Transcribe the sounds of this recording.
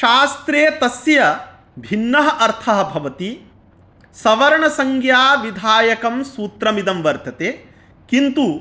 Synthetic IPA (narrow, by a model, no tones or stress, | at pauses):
ʃaːst̪ɾeːt̪ɐsjɐ | bʱinːɐɦɐʔɐɾt̪ʰɐɦɐ̆bʱɐʋɐt̪i | sɐʋɐɾɐɳɐsɐŋɡjaːʋid̪ʱaːjɐkɐmsuːt̪ɾɐmid̪ɐmʋɐɾt̪ɐt̪eː | kint̪u